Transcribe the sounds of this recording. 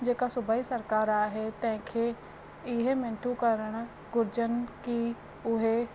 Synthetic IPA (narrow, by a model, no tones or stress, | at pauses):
d͡ʒeːkasʊbaːisəɾkaːɾaɦɛt̪ɛ̃ːkʰe | ɪɦemɪ̃ɳʈʰukəɾəɽ̃ | ɡʊɾd͡ʒənki | ʊɦe